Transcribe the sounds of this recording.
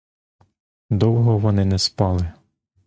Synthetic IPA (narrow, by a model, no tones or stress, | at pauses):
d̪ɔwɦɔʋɔnɪnɛspɑlˠɪ